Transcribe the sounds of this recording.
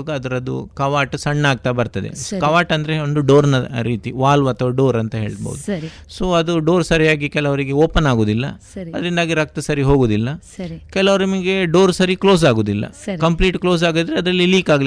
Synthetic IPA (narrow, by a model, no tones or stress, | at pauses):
ɡɐɐd̪ɐɾɐd̪ṵkɐʋaːʈsɐɳːaːɡ̚t̪ɐbɐɾt̪ɐd̪ḛkɐʋaːʈɐnd̪ɐɾe̞ond̪uɖoːɾnɐɾiːt̪iʋaːlʋaːt̪ʰɐʋɐɖoːɾɐnt̪ɐɦe̞̰ːɭbɐ̰ʋud̪usoːɐd̪uɖo̞ːɾsɐɾijaːɡikɛlɐʋɐɾiɡe̞oːpɐnaːɡoːd̪ilːɐ̰ | ɐd̪ɐɾind̪aːɡiɾɐk̚t̪ɐsɐɾiɦoːɡoːd̪ilːɐ | ɐkɛlɐʋɐɾɐmiɡe̞ɖo̞ːɾsɐɾiklo̞ːs̬aːɡoːd̪ilːɐ̰kɐmpliːʈklo̞ːs̬aːɡd̪ɾeɐd̪ɾɐlːiliːkaːɡ